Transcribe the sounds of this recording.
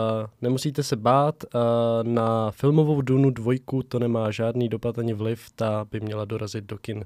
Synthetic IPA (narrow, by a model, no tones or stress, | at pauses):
nɛmusiːt̪ɛsɛbaːt̪nafɪlmo̞vo̞wduːnudvo̞jkut̪o̞nɛmaːʒaːdniːdo̞pat̪ʔaɲɪvlɪft̪abɪmɲɛlado̞ɾazɪd̪̚do̞kɪn